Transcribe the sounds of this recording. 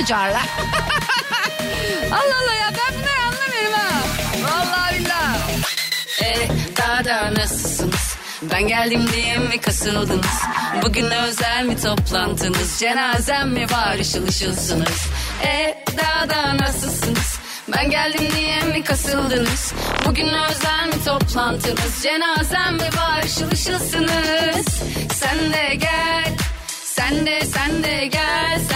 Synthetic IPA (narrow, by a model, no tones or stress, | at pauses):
d͡ʒaɾlˠaɾ | alˠːalˠːajaːbænbilæɾanlˠamɯjɾɯmaalˠːavilʲːa | ɛd̪aɦad̪anasɯlˠsɯnɯz̥ | bænɟælʲd̪imd̪ejɛmːikʰasɯlˠd̪ɯnɯz̥buɟynd̪ɛø̞zælʲmit̪ʰo̞plˠand̪ʰɯnɯzd͡ʒe̞naːzæmːɛbaːɾɯt͡ʃalˠɯʃɯlˠsɯnɯz̥ | ɛd̪ad̪anasɯlˠsɯnɯz̥ | bænɟælʲd̪imd̪ijɛmːikʰasɯlˠd̪ɯnɯz̥ | buɟynlɛøzælʲmit̪ʰo̞plˠant̪ʰɯnɯzd͡ʒe̞naːzæmmivaːɾɯʃɯlˠɯʃɯlˠsɯnɯz̥sænd̪ɛɟælʲ | sænd̪ɛsænd̪ɛɟælʲ